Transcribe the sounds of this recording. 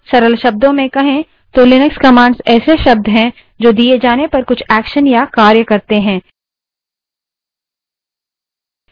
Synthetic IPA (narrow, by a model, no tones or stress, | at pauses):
sɐɾəlʃɐb̚d̪õmẽkɐɦẽ | t̪olɪnəkskɐmãːɳɖzɛːseʃɐb̚d̪ʱɦɛ̃ | d͡ʒoːd̪ied͡ʒaːnepɐɾkʊt͡ʃʰɛːkʃənjakaːɾjəkɐɾt̪eɦɛ̃ː